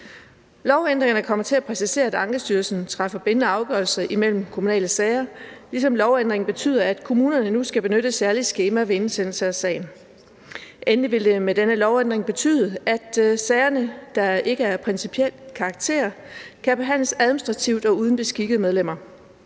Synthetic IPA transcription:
lɒʊend̥ʁeŋɐnəkʰɒ̽m̰ɐt͡sʰe̝æpʰʁɛsise̝̰ːɐæd̥ɑ̈ŋɡ̥ɐsd̥yːɐlsn̩t͡sʰʁɑfɐb̥e̝nənəɑ̈ʊɡ̥ɶɐlsɐʔimel̰m̩kʰomunɛ̰ːləsɛɪɐlisɒ̽mlɒʊend̥ʁeŋ̩b̥e̝t͡sʰy̰ːð̰ˠɐæd̥kʰo̝muːnɐnənusɡ̥æb̥e̝nøɾ̥əsæɐlisɡ̥e̝ːmæʋe̝ensen̰l̩səæsɛ̰ɪn | ʔenliʋe̝ld̥e̝med̥enəlɒʊend̥ʁeŋb̥e̝t͡sʰy̰ːðˠəæd̥sɛɪɐnəd̥ɑ̈e̝ɡ̥əæɐpʰʁɛnsipʰiel̰kʰɑ̈ɡ̥̚t͡sʰe̝̰ːɐkʰæb̥e̝ɦæn̰ləsæðˠminisd̥ʁɑ̈t͡sʰiʊ̰d̥ɒ̽uð̞ˠən̩b̥e̝sɡ̥iɡ̥əð̞̩ˠmeð̞ˠlem̰ɐ

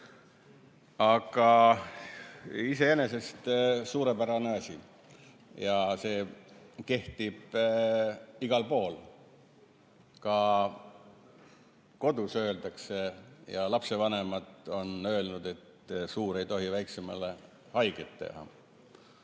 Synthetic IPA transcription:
ɑɡ̥ɑ | ise̞e̞ne̞se̞st̪suːɾe̞pæɾɑneɑsʲi | jɑse̞ːke̞ht̪ib̥ | iɡ̥ɑlpo̞ːl | kɑ | ko̞d̪̥usø̞ːld̪̥ɑkse̞jɑlɑpse̞vɑne̞mɑd̪o̞nø̞ːlnud̪̥e̞t̪ | suːɾe̞jt̪o̞ɦivæjksemɑ̰le | hɑjɡ̥et̪ːe̞̰hɑ̰

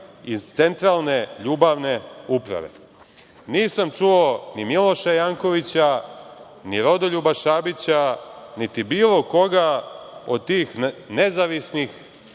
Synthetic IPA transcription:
it̪se̞nt̪ɾalˠne̞ʎuːbaʋne̞upɾa̰ʋe̞̰ | niːsamt͡ʃuonimilo̞ʃajaːŋko̞ʋit͡ɕa | niɾo̞d̪oʎubaʃaːbit͡ɕanit̪ibiːlˠo̞ko̞ɡao̰d̪̚t̪iːxne̞zaʋisnix

